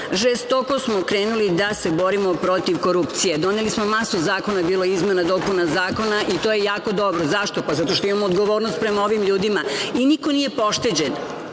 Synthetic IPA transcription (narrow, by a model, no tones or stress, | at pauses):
ʒest̪oko̞smokɾe̞ːnulid̪ase̞bo̞ɾimo̞pɾo̞t̪iʋkoɾupt̪sijed̪o̞nelismomasuzaːko̞nabiːlˠoizme̞nad̪o̞punazaːko̞naʔit̪oːjejaːko̞d̪o̞bɾozaʃt̪o̞pazat̪o̞ʃt̪oimamoːd̪ɡo̞ʋo̞ːɾnost̪̚pɾe̞maoʋimʎuːd̪imainikoniːje̞po̞ʃt̪e̞d͡ʑe̞n